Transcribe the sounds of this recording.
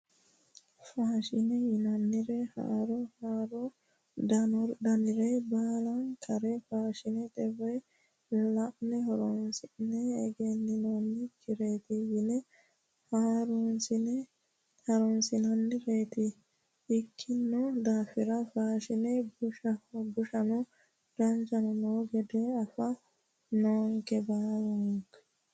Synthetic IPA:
faːʃɪnɛjɪnɐnːɪɾɛha̰ːɾɔhaːɾɔ | d̪ɐnɔɾd̪ɐnɪɾɛbaːlɐnkʰɐɾɛfaːʃɪnɛt̪ʼɛbɐj | lɐʔnɛhɔɾɔnsɪnɛːɡɛnːɪnɔnːɪkʰɪɾeːt̪ɪjɪnɛ | haːɾɔnsɪnɛ | t̪ʰɐɾɔnsɪnɐnːɪɾeːt̪ɪ | ɪkʰːɪnːɔd̪aːfɪɾɐfaːʃɪnɛbʊʃɐbʊʃɐnɔ | ɾɐnd͡ʒɐnɔnoːɡɛd̪ɛɐfɐ | noːŋkɛbaːɾʊŋk

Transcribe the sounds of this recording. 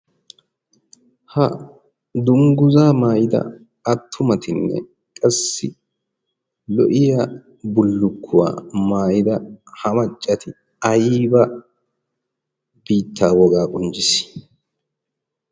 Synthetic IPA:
hɐ | d̪ʊŋɡʊzaːmaːjɪd̪ɐ̰ | ɐt̪ʰːʊmɐt̪ɪnːɛ̰ | kʼɐsːɪ | lɔʔɪja | bʊlːʊkʰːʊwa̰ːmaːjɪd̪ɐhɐmɐt͡ʃʼːɐt̪ʰɪ | ɐjiːbɐ | b̥iːt̪ʰːaːwɔɡaːkʼʊnd͡ʒɪs

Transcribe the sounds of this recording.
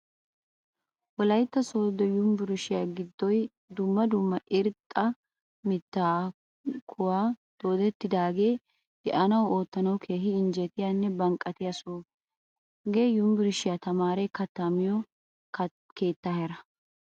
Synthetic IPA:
wɔlɐjt̪ːɐso̞ːd̪ɔjʊmbɪɾʊʃɪjaːɡɪd̪ːɔj | d̪ʊmːɐd̪ʊmːɐʔɪɾt̪ʼːɐ | mɪt̪ːaː | kʰʊwaːd̪̥o̞ːd̪ɛt̪ːɪd̪aːɡe̞̥ː | ɛʔɐnɐwo̞ːt̪ːɐnɐwkʰeːɦɪɪnd͡ʒɛt̪ɪjanːɛbɐŋkʼɐt̪ɪjɐsoː | ɡeːjʊmbɪɾʊʃɪjat̪ɐmaːɾɛkɐt̪ːɐmɪjɔ | k | ke̞ːt̪ːaːhɛɾɐ

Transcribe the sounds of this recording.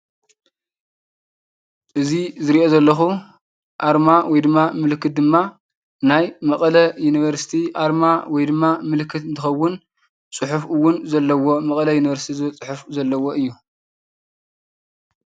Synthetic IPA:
ʔɨzizɨɾiʔo̞zɐlːɐxu | ʔaɾmawɔjd̪ɨmːamɨlkʰːɨt̪̚d̪ɨmːa | najmɐkʼɐlɐjuniβɐɾsi̥t̪ʰiʔaɾmawɔjd̪ɨmːamɨlkʰːɨt̪ɨnt̪ʰɨxɐwʊn | t͡sʼɨħufɨwːʊnzɐlːɐwo̞mɐkʼɐlɐjuniβɐɾsi̥t̪ʰizɨɐt͡sʼɨħufzɐlːɐwo̞ʔɨjːu

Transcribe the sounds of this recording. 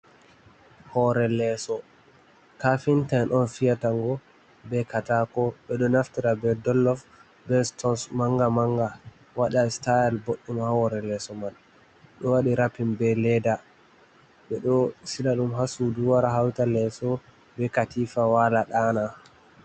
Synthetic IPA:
hɔɾɛlɛsɔ | kafintaʔɔnfijataŋɡɔ | bɛkatakɔɓɛɗɔnaftiɾabɛdɔlːɔf | bɛstɔnsmaŋɡamaŋɡa | waɗastajɛlboɗːimahɔɾɛlɛsɔmal | ɗɔwaɗiɾapimbɛlɛda | ɓɛɗɔsilaɗumɦasuduwaɾaɦawtalɛsɔ | bɛkatifawalaɗaːna

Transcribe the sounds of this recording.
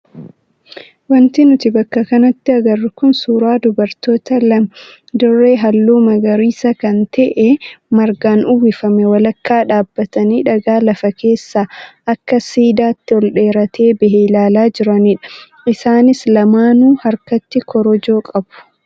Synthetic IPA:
wɐnt̪ɪnʊt̪ɪbɐkːɐkɐnɐt̪ːɪɐɡɐrːɪkʊnsuːɾaːd̪ʊbɐɾt̪o̞ːt̪ɐlɐm | d̪ɔre̞ːɦɐlːuːmɐɡɐɾiːsɐkɐnt̪ɛʔɛmɐɾɡaːnʔʊwɪfɐmɛwɐlɐkːaːᶑaːbːɐt̪ɐniːᶑɐɡaːlɐfɐke̞ːsːaːʔɐkːɐsiːd̪aːt̪ːɪɔlɗe̞ːɾɐt̪ʰe̞ːbɪɦɛɪlaːlaːd͡ʒɪɾɐniːᶑɐ̥ | ɪsaːnɪslɐmaːnuːhɐɾkɐt̪ːɪkʰɔɾɔd͡ʒo̞ːkʼɐbʊ̥

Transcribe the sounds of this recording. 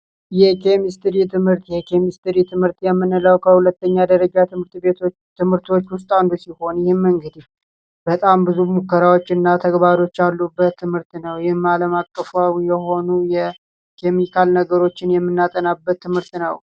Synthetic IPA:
jɛkʰe̞mist̪ɨɾit̪ʰɨmhɨɾt̪jɛkʰemist̪ɨɾit̪ʰɨmhɨɾt̪jɛmːɨnɨləwkʰəhulət̪ːəɲːad̪əɾəd͡ʒat̪ɨmɨɾt̪bet̪ʰo | t̪ʰɨmhɨɾt̪o̞t͡ʃːwʊs̬t̪ʼand̪usiho̞njɪhɪmmːɨŋɡɨd̪i | bət̪ʼambɨzumukːəɾawo̞t͡ʃːɨnːat̪ʰəɡbaɾo̞t͡ʃːalːubːət̪ʰːɨmhɨɾt̪nəwjɪhmaləmakʼːəfuawjɛho̞nujɛ | kʰe̞mikʰalnəɡəɾo̞t͡ʃːɪnjɛmːɨnːat̪ʼənabːət̪ʰːɨmhɨɾt̪nə̰w

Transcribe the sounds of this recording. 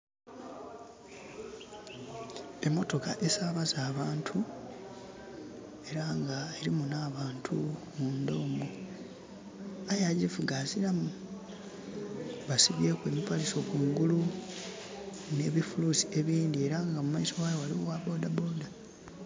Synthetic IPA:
e̞mːo̞to̞kaʔe̞saβazaːβaːntʰu | e̞ɾaŋɡaeɾimunaːβaːntʰumundo̞ːmu | ajaɟifuɡazilamu | βasiβje̞ːkwe̞ːmipaliso̞kuːŋɡulu | ne̞ːβifulusi̥e̞βiːndie̞ɾaŋɡamumaiso̞wajowaliowabo̞dabo̞da

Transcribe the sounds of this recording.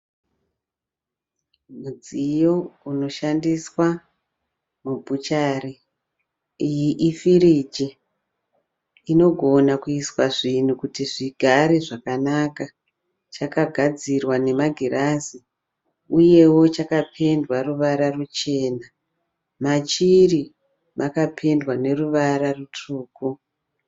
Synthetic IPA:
mud͡zijo̞uno̞ʃandiswa | mubʱut͡ʃaːri | ijiʔifirid͡ʒe | ino̞ɡʱo̞nakuiswaʐin̤ukutiʐiɡʱaɾeʐakanaka | t͡ʃakaɡʱad͡zirwane̞maɡʱiɾʔazi | uje̞wo̞t͡ʃakapʰe̞ndwaruʋaɾarut͡ʃe̞ːna | mat͡ʃiri | makapʰe̞ndwane̞ruʋaɾarutʰuːku

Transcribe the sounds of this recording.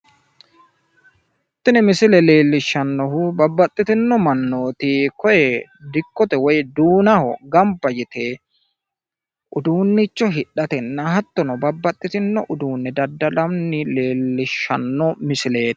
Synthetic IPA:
h | t̪ːɪnɪmɪsɪlɛle̞ːlːɪʃːɐnːɔhbɐbːɐt̪ʼːɪt̪ɪnːɔmɐnːo̞ːt̪ɪkɔjɛd̪ɪkːɔt̪ɛwɔjd̪uːnɐhɔ̰ɡɐmbɐjɪt̪e | ʔʊd̪uːnːɪt͡ʃːɔɦɪᶑːɐt̪ɛnːɐɦɐt̪ːɔnɔbɐbːɐt̪ʼːɪt̪ɪnːɔʔʊd̪uːnːɛd̪ɐd̪ːɐlɐmnɪle̞ːlːɪʃːɐ̰nːɔmɪsɪle̞ːt̪ː

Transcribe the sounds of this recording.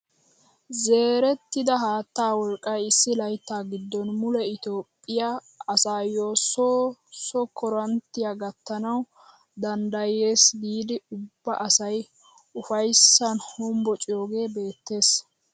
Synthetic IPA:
ze̞ːɾɛt̪ːɪd̪ɐɦaːt̪ːaːwɔlkʼːɐjɪsːɪlɐjt̪ːaːɡɪd̪ːɔnmʊlɛɪt̪oːpʼːɪja | ɐsaːjːoːsosɔkʰɔɾɐnt̪ːɪjaɡɐt̪ːɐnɐw | d̪ɐnd̪ɐje̞ːsbiːd̪ɪʊbːɐʔɐsɐj | ʊfɐjsːɐnhɔmbɔt͡ʃʼɪjo̞ːɡe̞ːbe̞ːt̪ːe̞ːs

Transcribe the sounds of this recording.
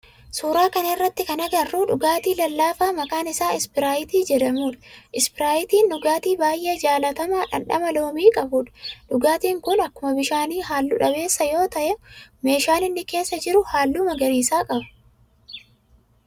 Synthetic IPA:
suːɾaːkɐnɐɪrːɐt̪ːɪkɐnɐɡɐrːuːᶑʊɡaːt̪iːlɐlːaːfaːmɐkaːnɪsaːɪspɪɾaːjɪt̪iːd͡ʒɛᶑɐmuːᶑɐ̥ʔɪspɪɾaːjɪt̪iːnːʊɡaːt̪iːbaːjʔe̞ːd͡ʒaːlɐt̪ɐmaːᶑɐ̰ᶑɐ̰mɐlo̞ːmiːkʼɐbʊᶑɐ̥ᶑʊɡaːt̪iːŋkʊnɐkːʊmɐbɪʃaːniːɦaːlːʊᶑɐbe̞ːsːɐjo̞ːt̪ɐʔɛme̞ːʃaːnɪnːɪke̞ːsːɐd͡ʒɪɾʊhaːlːuːmɐɡɐniːsaːkʼɐbɐ̥

